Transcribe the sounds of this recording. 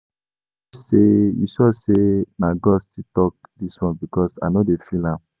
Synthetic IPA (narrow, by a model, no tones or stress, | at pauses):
sejḭsɔsenaɡɔstitɔk̚diswɔ̃nbikɔsa̰nodefilãm